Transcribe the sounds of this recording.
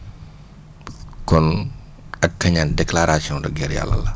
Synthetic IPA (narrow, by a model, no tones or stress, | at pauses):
kɔn | ɐkːɐɲandɛklaɾasiɔ̃ndɔɡɛɾja̰lːɐ̰lɐ